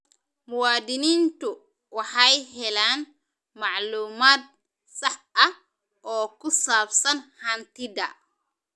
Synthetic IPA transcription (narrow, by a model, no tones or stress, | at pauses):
mʊwaːd̪inint̪u | waħajɦɛlaːn | maʕluːmaːt̪̚ | sɐħʔɐ | ʔɔːkʊsaːbsɐnhɐnt̪ɪd̪ɐ